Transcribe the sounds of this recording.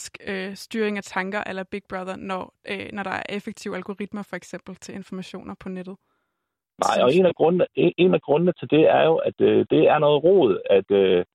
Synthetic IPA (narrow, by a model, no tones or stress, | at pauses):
sɡ̥øsd̥yːɐeŋæt͡sʰɑ̈ŋɡ̥ɐʔelɐb̥iɡ̥̚b̥ʁɑðˠɐnɒnɒɾ̥ɑ̈æɐʔefeɡ̥̚t͡sʰiʊælɡ̥o̝ʁid̥mɐfɒ̽eɡ̥sem̰b̥l̩t͡sʰe̝le̝nfɒmæɕo̝̰ːnʔɐpʰɒ̽ned̥ð̞̩ˠ | nɑ̈ɪ̰ɒ̽e̝̰næɡ̥ʁɔnnəeʔe̝næɡ̥ʁɔ̽nnət͡sʰe̝ld̥e̝æɐjo̝ʔæd̥ød̥e̝æɐnɔ̽ːð̩ˠʁɔ̰ːð̩ˠæd̥ø